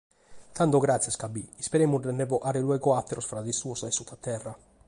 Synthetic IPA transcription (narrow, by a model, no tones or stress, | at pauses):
t̪ʰant̪oɡɾat̪sːjeskabːiispeɾeːmurdenːɛvoʔaɾelwɛɡoat̪ːeɾʔosfɾad̪isuosesut̪ʰːat̪ɛrːa